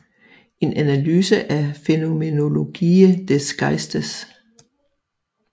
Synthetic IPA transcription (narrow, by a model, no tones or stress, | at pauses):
e̝nʔænælyːsəʔæfe̝no̝me̝no̝lo̝ɡ̥ḭːəd̥esɡ̥ɑ̈ɪsd̥ɐs